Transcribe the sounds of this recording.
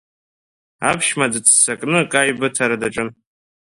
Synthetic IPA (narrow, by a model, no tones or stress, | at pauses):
a̰pʰʃmad͡zɨt͡sʰsakʼnɨkʼajbɨtʰaɾadaʈ͡ʂʼɨn